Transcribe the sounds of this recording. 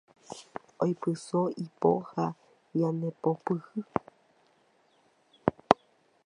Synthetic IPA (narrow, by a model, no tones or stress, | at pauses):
ojpɨsoipo̰ha | janepopɨhɨ